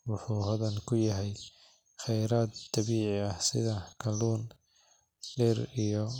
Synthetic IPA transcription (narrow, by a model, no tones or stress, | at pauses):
wʊħuːɦɐðɐnkʰʊjɐɦɛj | χɛjɾaːd̪t̪ʰːɑβiːʕɪɐhsɪðɐkʰɐluːn | ɖɪɾijɔ